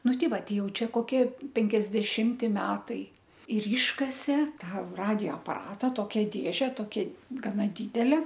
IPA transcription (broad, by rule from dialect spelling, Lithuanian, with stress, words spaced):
ˈnʊ ˈtʲɪ ˈʋɐ ˈtʲɛɪ ˈjɛʊˈt͡ʃʲɛ koːˈkʲiɛ pʲɛŋʲkʲɛzʲdʲɛˈʃʲɪmʲtʲɪ ˈmʲæːtɐɪ ɪr ˈiːʃkɐsʲeː ˈtɑː ˈrɑːdʲɪjoː ɐpɐˈrɑːtɐ ˈtoːkʲɛ ˈdʲeːʒʲɛ toːˈkʲɛ ɡɐˈnɐ ˈdʲɪdʲɛlʲɛ